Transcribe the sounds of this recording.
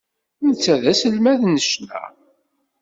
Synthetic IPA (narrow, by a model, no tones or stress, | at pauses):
nt͡sːæðæsəlmæðnəʃnæ̰